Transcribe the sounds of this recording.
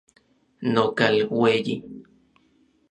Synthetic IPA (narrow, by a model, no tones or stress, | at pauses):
nokalweji